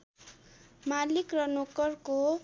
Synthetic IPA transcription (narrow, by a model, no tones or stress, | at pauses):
malikrʌnokʌrko